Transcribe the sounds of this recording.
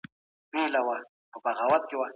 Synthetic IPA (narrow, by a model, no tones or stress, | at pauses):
melawa | pəbaɣawat̪̚kewa